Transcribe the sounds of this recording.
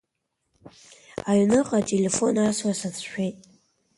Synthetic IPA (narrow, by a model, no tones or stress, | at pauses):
aɥnɨqʼatʼele̞fo̞naswasat͡sʰʃᶣejtʼ